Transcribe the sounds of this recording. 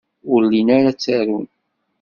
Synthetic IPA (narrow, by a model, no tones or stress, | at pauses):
ʊɾlinaɾat͡sːaɾun